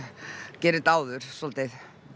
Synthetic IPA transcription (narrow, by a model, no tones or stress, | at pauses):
cɛːɾɪt̪aːwðʏɾ̥sɔlt̪ɪð